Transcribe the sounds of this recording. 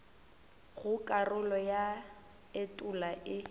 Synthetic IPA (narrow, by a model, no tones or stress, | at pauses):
ɣʊkʼarʊlɔja | etʼʊlaʔɪ